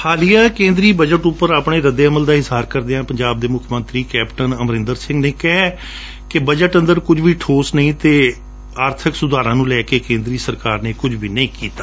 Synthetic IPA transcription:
hʰaːlijaːkẽːnd̪ɾiːbəd͡ʒəʈʊpːəɾaːpɳ̃eːɾəd̪eːəməld̪aːɪzɦaːɾkəɾd̪eãːpəɲd͡ʒaːb̚d̪eːmʊkʰmə̃nt̪ɾiːkɛːpʈənəmɾɪ̃nd̪əɾsɪ̃ŋɡneːkɛɦɛ | kɪbəd͡ʒəʈə̃nd̪əɾkʊd͡ʒʋiːʈʰoːsnəĩːt̪eː | aːɾt̪ʰɪksʊd̪ʱaːɾãːnũːlɛːkeːkẽːnd̪ɾiːsəɾkaːɾneːkʊd͡ʒʋiːnəĩːkiːt̪aː

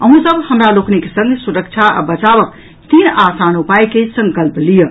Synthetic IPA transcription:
əɦũsəbhəmɾalokʰnekesə̃ŋɡʱsuɾək̚t͡ʃʰaa̰bət͡ʃabək̚ | t̪inasanupajkesə̃ŋkəlplijə

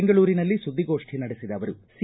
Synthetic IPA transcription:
ŋɡɐɭuːɾinɐlːisud̪ʱːiɡo̞ːʂʈʰinɐɽisid̪ɐːʋɐɾusi

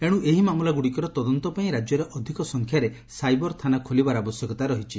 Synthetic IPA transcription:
eɽ̃ũʔeɦimamulaɡuɽikɔɾɔt̪ɔd̪ɔnt̪ɔpaĩɾad͡ʒjɔɾeʔɔd̪ʱikɔsɔŋkʰjaɾe | sajbɔɾt̪ʰanakʰolibaɾabɔsjɔkɔt̪aɾɔɦit͡ʃʰi

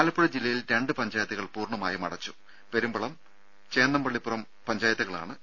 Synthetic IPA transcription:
aːlɐpːuɽɐd͡ʑilːɐjilɾe̞ɳɖɨpɐɲd͡ʑaːjɐt̪ːɐɣɐɭpuːrɳɐmaːjɐmɐ̰ɽɐt͡ɕːu̥ | pe̞ɾumbɐɭɐm | t͡ɕe̞ːnːɐmbɐɭːipːurɐm | pɐɲd͡ʑaːjɐt̪ːɐɣɐɭa̰ːɳɨ

